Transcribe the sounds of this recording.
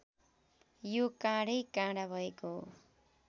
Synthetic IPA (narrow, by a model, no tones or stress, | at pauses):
jokãɽʌjkãɽabʱʌekoɦo̰